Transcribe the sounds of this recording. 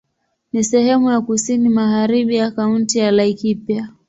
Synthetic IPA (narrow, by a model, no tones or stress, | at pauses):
nisɛhɛmujakusinimaɣaɾiɓijakauntijalaikipja